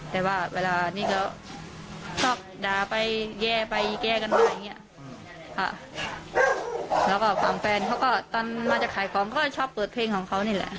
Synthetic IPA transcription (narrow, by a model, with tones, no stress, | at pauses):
t̪ɛː˨˩waː˧˩weː˧laː˧niː˥˩kʰa˧˥˩ | t͡ɕʰɔː˧˩p̚daː˨˩pa˧jjɛː˧˩pa˧jkɛː˧ka˧nmaː˧˩˨ja˨˩ŋːi˦˥ɐʔ | ha̰˧˩ | lɛː˦˥˩wkɔː˧˥˩fʰa˨˧˩mfɛː˧nkʰa˦˥wkɔː˥˩t̪ɔː˧nmaː˧t͡ɕa˨˩kʰaː˨˩˦jkʰɔː˨˦ŋkɔː˥˩˧t͡ɕʰɔː˧˥˩pːɤː˨˩t̪̚pʰleː˧ŋkʰɔː˨˩˦ŋkʰa˧˦˥wniː˥˩lɛ̰˧˩ʔ